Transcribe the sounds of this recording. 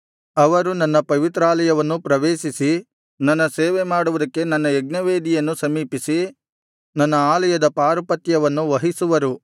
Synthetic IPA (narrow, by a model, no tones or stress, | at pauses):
ɐʋɐɾunɐnːɐpɐʋit̪ɾaːlɐjɐʋɐnːupɾɐʋeːʃisi | nɐnːɐseːʋemaːɽuʋud̪ɐkːe̞nɐnːɐeɡ̚nɐʋeːd̪ijɐnːusɐmiːpisi | nɐnːɐaːlɐjɐd̪ɐpaːɾɐpɐt̪jɐʋɐnːuʋɐɦisuʋɐɾu